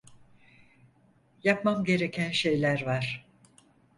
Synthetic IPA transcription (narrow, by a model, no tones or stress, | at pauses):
japmamɟe̞ɾe̞cʰænʃe̞jlʲæɾvaɾ̥